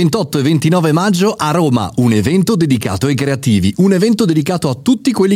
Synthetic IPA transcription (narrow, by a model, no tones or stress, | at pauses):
ent̪ɔt̪ːoevent̪inɔːvemad͡ʒːoʔaroːma̰ʔunevɛnt̪od̪ed̪ika̰ːt̪oekːɾeat̪iːviʔunevɛnt̪od̪ed̪ikaːt̪oat̪ːut̪ːikwelːi